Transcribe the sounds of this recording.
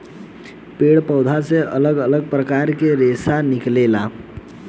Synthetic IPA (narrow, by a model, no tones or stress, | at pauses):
peɽpəwd̪ʱaseʔələɡələɡ̚pɾəkaɾkeɾesaniklela